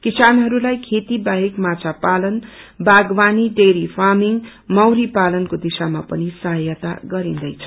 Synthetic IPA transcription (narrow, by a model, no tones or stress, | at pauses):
kisanɦʌɾulajkʰet̪ibaɦekmat͡sʰapalʌnbaɡbaniɖeɾipʰamiŋ | mʌwɾipalʌnkod̪isamapʌnisʌɦʌjat̪a̰ɡʌɾĩnd̪ʌjt͡sʰʌ̥